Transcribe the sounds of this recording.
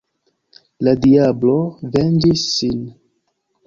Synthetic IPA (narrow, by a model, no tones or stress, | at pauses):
ladiablo̞vend͡ʒisːin